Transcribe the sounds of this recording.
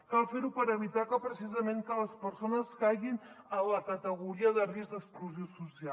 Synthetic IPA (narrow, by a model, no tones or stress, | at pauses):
kalfeɾupəɾəβ̞it̪akəpɾəsizəmeŋkələspəɾsonəskajɣin | ələkət̪əɣuɾiəðərizd̪əkspluziosusia